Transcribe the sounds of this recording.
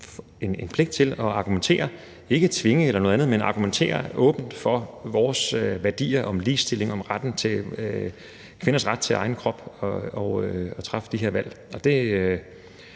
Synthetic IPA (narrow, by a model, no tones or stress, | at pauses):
enenpʰle̝ɡ̥̚d̥̚t͡sʰe̝lɒ̽ɑ̈ɡ̥ument͡sʰe̝̰ːɐ | e̝ɡ̥ət͡sʰʋe̝ŋəelɐnoð̩ˠænð̩ˠmenɑ̈ɡ̥ument͡sʰe̝̰ːɐʔɔ̰̽ːb̥n̩d̥fɒ̽ʋɒːsøʋæɐd̥ḭːɐʔɒ̽mliːsd̥e̝le̝ŋɒ̽mʁad̥n̩t͡sʰe̝ | kʰʋe̝nɐsʁad̥̚t͡sʰe̝ɑ̈ɪn̩kʰʁɒ̽b̥ɒɒɒ̽t͡sʰʁɑ̈fd̥iɦeɐʋæl̰ | ɒ̽d̥e̝ø